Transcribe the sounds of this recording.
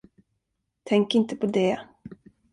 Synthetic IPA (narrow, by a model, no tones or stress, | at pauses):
t̪ʰɛŋkɪnt̪əpʰɔd̪ɛ